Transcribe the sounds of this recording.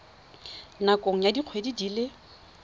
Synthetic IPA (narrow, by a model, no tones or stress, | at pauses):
nakʼoŋ̩jadiq͡χʰwedidiːlɪ